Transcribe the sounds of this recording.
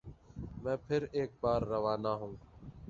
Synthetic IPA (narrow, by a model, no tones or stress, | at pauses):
mɛ̃ːpʰɪɾeːk̚baːɾːəʋaːnaːɦũː